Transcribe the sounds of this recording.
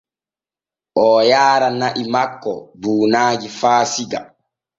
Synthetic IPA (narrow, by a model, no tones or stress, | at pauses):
ʔɔːjaːɾanaʔimakːɔbuːnaːd͡ʒifaːsiɡa̰